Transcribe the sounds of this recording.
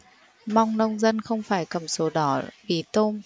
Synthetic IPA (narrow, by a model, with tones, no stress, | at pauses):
ma˧wŋ͡mnə˧wŋ͡mzə˧nxə˧wŋ͡mfaː˧˩jkə˨˩mso˨˦ɗɔ˨˦vi˨˩t̪o˧m